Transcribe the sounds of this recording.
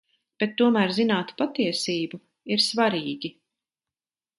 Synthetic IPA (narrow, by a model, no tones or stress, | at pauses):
b̥et̪ːuɔmæːɾzinaːt̪pat̪iɛsiːbu | iɾsvaɾiːɡʲi